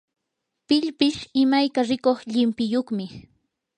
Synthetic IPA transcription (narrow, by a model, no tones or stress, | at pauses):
pɪʎpɪʃɪmajkaɾɪkoχʎɪmpɪjoχmɪ